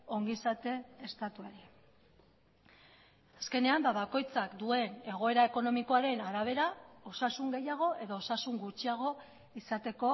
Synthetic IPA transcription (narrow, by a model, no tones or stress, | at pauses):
o̞ŋɡisat̪e̞est̪at̪uaɾi | aske̞ne̞ambaβako̞jt͡sakd̪ue̞ne̞ɣ̞o̞e̞ɾae̞ko̞no̞miko̞aɾe̞naɾaβ̞e̞ɾao̞sasuŋɡe̞jaɣ̞o̞ʔe̞ðo̞ːsasuŋɡut͡ʃiaɣ̞o̞ | isat̪e̞ko̞